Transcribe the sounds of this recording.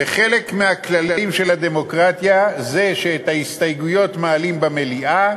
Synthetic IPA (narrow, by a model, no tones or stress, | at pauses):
eχe̞le̞kmeaklalaimʃe̞lad̪e̞mo̞kʁat̪jaze̞ʃeːt̪haist̪ajɡujo̞t̪maːlimbame̞liʔa